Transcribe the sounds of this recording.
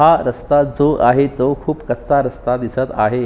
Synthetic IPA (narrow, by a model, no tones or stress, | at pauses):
aɾəst̪ad͡zoʔaɦet̪okʰuːpkət̪t͡saɾəst̪ad̪isət̪aɦe